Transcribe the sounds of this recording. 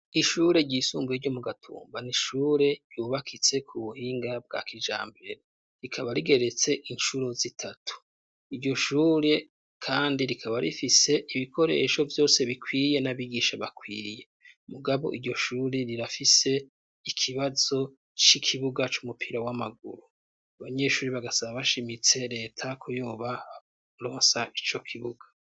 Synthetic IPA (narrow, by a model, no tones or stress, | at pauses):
iʃuɾe̞ɟiːsuːmbueɾɟo̞muɡatʰṵːmbaniʃuːɾe̞̥ɟjuːβakʰit͡se̞kʰuβuhiːŋɡab̚ɡa̰kid͡ʒa̰ːmbe̞ɾe | ɾikʰaβaɾiɡe̞ɾe̞t͡se̞ʔinʃuɾo̞zitʰatʰu̥ | iɾɟo̞ʃuːɾe̞ | kʰaːndiɾikʰaβaɾifise̞ʔiβikʰo̞ɾe̞̰ʃo̞vjo̞ːse̞βikʰwiːje̞naβiɡiʃaβakwiːje̞ | muɡaβo̞̰ʔiɾɟo̞ʃuːɾeɾiɾafise̞ | ikʰiβazo̞ | t͡ʃikʰiβuɡat͡ʃumupʰiɾawamaɡ̚ṵɾu | aβaɲe̞ʃuːɾiβaɡasaβaβaʃimit͡se̞ɾe̞ːtʰakʰujoːβa | ɾo̞ːnsaʔit͡ʃo̞kʰiβuɡḁ